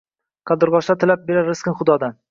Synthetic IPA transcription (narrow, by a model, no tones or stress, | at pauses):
qʰɑd̪ɨɾʁɒʃt̪at̪ʰɪlap̚beɾaɾɪskɪnχʊd̪ɒd̪an